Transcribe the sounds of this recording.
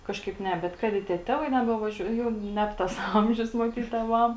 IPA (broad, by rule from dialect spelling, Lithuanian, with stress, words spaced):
ˈkɑːʃkɐɪp ˈnʲɛ ˈbʲɛt ˈkɐt ɪ tʲiɛ ˈtʲæːʋɐɪ ˌnʲæːbʲɛʋɐˈʒʲuɔj ˈjɛʊ ˈnʲɛp tɐs ˈɐmʲʒʲʊs mɐˈtʲiːt tʲeːˈʋɐm